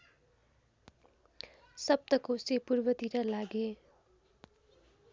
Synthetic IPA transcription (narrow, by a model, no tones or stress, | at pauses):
sʌp̚t̪ʌkosepurbʌt̪iɾʌlaɡe